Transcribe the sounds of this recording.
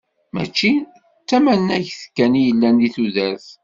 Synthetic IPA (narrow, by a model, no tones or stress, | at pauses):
mæ̰t͡ʃːi | t͡sːæmænːæçθə̥kːænijəlːænðiθuðæɾθ